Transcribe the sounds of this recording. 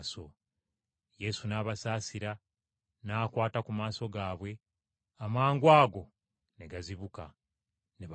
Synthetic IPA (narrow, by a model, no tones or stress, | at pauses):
so̞ | je̞sunaːβasaːsiɾa | naːkwaːtakumaːso̞ɡaːβwe̞ | amaːŋɡwaːɡo̞ | neɡaziβuka̰ | neβ